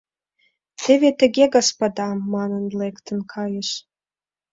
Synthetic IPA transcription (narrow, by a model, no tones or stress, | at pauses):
t̪evʲet̪ə̆ɡʲeɡɑspɑd̪ɑmːɑnə̆nlekt̪ə̆nkʰɑjeʃ